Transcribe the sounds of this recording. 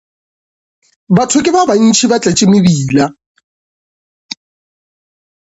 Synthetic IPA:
batʰʊkʼɪbaban̩t͡ʃʰibat͡ɬʼɛt͡ʃʼɪmɪbiːla

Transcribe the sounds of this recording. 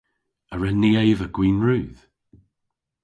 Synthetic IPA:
əɹɛniejvəɡwiːnɹɨːð

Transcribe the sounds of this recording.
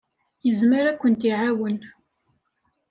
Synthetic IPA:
jəzmiɾækʷːənt̪iʕawən

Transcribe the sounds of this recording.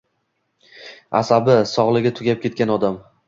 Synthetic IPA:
a̰sabɪsɒʁlˠɪɡʲat̪ʰʊɡʲap̚kʲe̞t̪̚kʲanɒd̪am

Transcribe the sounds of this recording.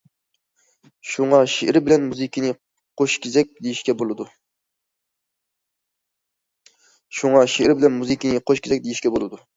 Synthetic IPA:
ʃuŋɑʃeʔɪɾɪbɪlɛnmuzɨkʲinɨ | qʰoʃkʲʰezɛk̚ʲd̪ejiʃkʲɛbolˠɨd̪u | ʃuŋɑʃeʔɾɪbɪlɛnmuzikʲinɨqʰoʃkʲezɛk̚ʲd̪ejiʃkʲɛbolˠɨd̪u

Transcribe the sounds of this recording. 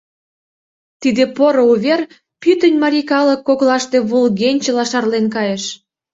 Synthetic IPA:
t̪id̪epoɾouβʲer | pyt̪ə̆nʲmɑɾʲikɑləkːoɣlɑʃt̪e̽βulɣenʲt͡ɕĕlɑʃɑrlenkɑjeʃ

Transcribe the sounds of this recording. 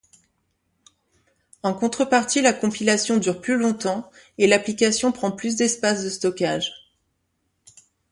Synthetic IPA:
ɑ̃kɔ̃t̪χəpaʁt̪ilakɔ̃pilasjɔ̃d̪yʁplylɔ̃t̪ɑ̃elaplikasjɔ̃pχɑ̃plys̬d̪ɛspasd̪əst̪ɔkaʒ

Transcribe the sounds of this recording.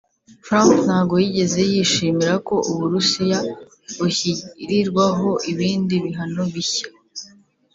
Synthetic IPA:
fɾampn̥haːɡo̞jiɟe̞ze̞jiːʃiːmiɾako̞ʔuβuɾusija | βuçiɾiɾɡwaɦo̞ʔiβiːndiβiɦanoβiçḁ

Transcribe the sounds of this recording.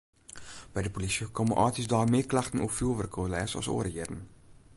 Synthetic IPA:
b̥ɛjdəpolisikɑnməʔɑːtisdɑːrmɪːklɐχtənɔpfilˠʋərkʰolɛːsɑ̰so̰ːəɾəiədən

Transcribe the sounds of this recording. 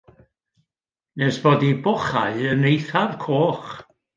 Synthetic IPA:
nɛsb̥oːdibɔχa̰ɨənejθavkʰoːχ

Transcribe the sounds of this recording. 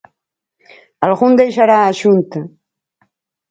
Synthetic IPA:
alɣund̪ejʃaɾaːʒunt̪a

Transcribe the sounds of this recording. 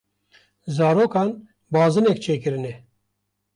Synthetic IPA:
zɑːɾoːkɑːn | bɑːzɨnɛkt͡ʃʰeːkɨɾɨnɛ

